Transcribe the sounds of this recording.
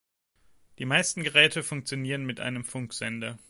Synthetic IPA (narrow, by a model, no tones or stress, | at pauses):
d̥iːmaɪstn̩ɡəʁɛːtəfʊŋk̚t͡sjoniːʁənmɪtʔa̰ɪnəmfʊŋkz̥ɛndɐ